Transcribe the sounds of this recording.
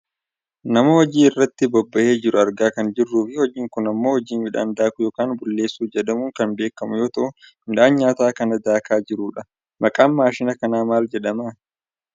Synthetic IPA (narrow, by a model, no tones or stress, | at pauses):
nɐmɐhɔd͡ʒiːɪrːɐt̪ːɪbɔbːɐʔe̞ːd͡ʒɪɾʊɐɾɡaːkɐnd͡ʒɪrːuːfɪhɔd͡ʒiːŋkʊnɐmːo̞ːhɔd͡ʒiːnmɪᶑa̰ːnd̪aːkʊjoːkaːnbʊlːe̞ːsːuːd͡ʒɛᶑɐmuːŋkɐnbe̞ːkːɐmʊjo̞ːt̪ɐʔʊɪnᶑaːnɲaːt̪aːkɐnɐd̪aːkaːd͡ʒɪɾuːᶑɐ | mɐkʼaːmmaːʃɪnɐkɐnaːmaːld͡ʒɛᶑɐmaː